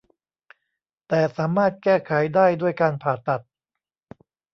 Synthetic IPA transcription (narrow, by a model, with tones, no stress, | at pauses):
t̪ɛː˨˩saː˩˦maː˥˩t̪̚kɛː˥˩kʰa˨˩˦jdaː˥˩jdu˥˩əjkaː˧npʰaː˨˩t̪a˨˩t̪̚